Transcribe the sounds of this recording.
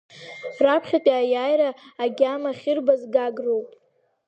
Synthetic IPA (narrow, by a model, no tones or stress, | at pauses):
rapʰχʲatʲʼiajajɾaːɡʲamaχʲɪrbazɡaɡrowpʼ